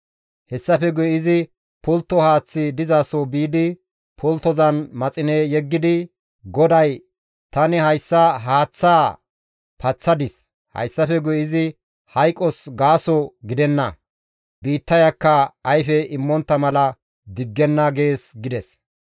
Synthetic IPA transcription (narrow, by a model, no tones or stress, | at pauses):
hɛsːɐfɛɡʊjɪzɪ | pʊlt̪ːɔhaːt͡sːɪd̪ɪzaːsobiːd̪ɪ | pʰʊlt̪ːɔzɐnmɐt͡sʼɪnejɛɡːɪd̪ɪ | ɡɔd̪ɐj | t̪ɐnɪhɐjsːɐɦaːt͡sːaː | pɐt͡sːɐd̪ɪs | hɐ̰jsːɐfɛɡʊjɪzɪ | hɐjkʼɔsɡaːsɔɡɪd̪ɛnːɐ̰ | biːt̪ːɐjɐkːɐːjfɛɪmːɔnt̪ːɐmɐlɐ | d̪ɪɡːɛnːɐɡe̞ːsɡɪd̪ɛs